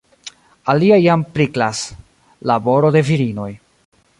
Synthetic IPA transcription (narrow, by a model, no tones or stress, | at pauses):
aliajampɾiklas | labo̞ɾo̞de̞viɾino̞j